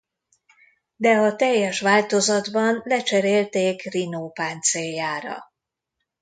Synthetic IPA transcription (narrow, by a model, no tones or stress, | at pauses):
d̪ɛɒt̪ɛjːɛʃʋaːlt̪o̞zɒd̪bɒnlɛt͡ʃɛɾeːlt̪eːkrinoːpaːnt̪seːjːaːɾɒ̰